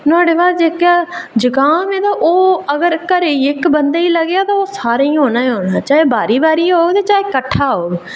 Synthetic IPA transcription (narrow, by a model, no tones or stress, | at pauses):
nʊaːɽeːbaːd̪d͡ʒeːkjaːd͡ʒəɡaːmẽːt̪aːʔoːəɡəɾkəɾeɪkbənd̪aːiːləɡaːt̪ãːoːsaːɾaĩɦoːnaːeɦoːnaːt͡ʃaːeːbaːɾiːbaːɾiːɦoːɡt̪eːt͡ʃaːeːkəʈʰːaːɦoːɡ